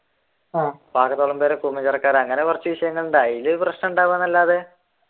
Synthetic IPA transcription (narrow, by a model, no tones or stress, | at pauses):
abaːkɐt̪ːoːɭɐmbeːɾekumɐt͡ɕɐrɐkːaːɾɐŋːɐnekurɐt͡ɕːɐʋiɕɐjɐŋːɐɭuɳɖaːjilːouprɐɕnɐmuɳɖaːʋanːɐlːaːðe